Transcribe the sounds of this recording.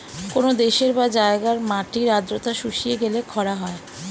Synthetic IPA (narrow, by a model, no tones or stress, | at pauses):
konod̪eʃeɾbad͡ʑaeɡaɾmaʈiɾad̪ɾot̪aʃuʃijeɡelekʰɔɽaɦɔe